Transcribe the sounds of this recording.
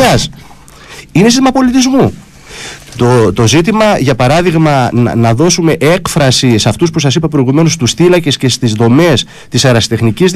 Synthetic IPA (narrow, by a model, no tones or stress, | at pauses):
ɐs | inesit̪imɐpo̞lit̪izmu | t̪ot̪o̞zit̪imɐʝɐpɐɾɐðiɣmɐ̰nɐðo̞sume̞ʔe̞kfɾɐsisɐft̪uspusɐs̬ipɐpɾoiɣume̞nost̪usθilɐce̞sce̞st̪izðo̞me̞s | t̪isɐɾɐsi̥t̪e̞xniciz